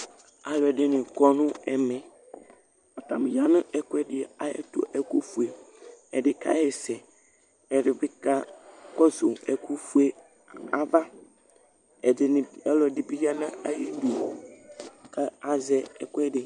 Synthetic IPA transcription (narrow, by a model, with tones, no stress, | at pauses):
a˨lɛ˨dɪ˦nɪ̃˨kɔ˦nʊ̃˦ɛ˨mɛ̃˨ | ɔ˨t̪a˨m˨ja˦nʊ̃˦ɛ˦kʊ˦ɛ˦dɪ˨a˨jɛ̰˦t̪o̰˦ʔɛ˨ku˦fu˨e˨ɛ˨dɪ˨ka̰˨˦jɛ˨sɛ˨ | ɛ˨ɾɪ˨bɪ˦ka˦kɔ˦zo˨ɛ˨ku˦fu˦e˨ | a˨va˦ | ɛ˨dɪ˨nɪ̃˨ɛ˦lɔ˨dɪ˨bi˦ja˦nã˦a˨ji˦du˨ | ka˦a˨zɛ˦ɛ˨kʊ˦ɛ˦dɪ˨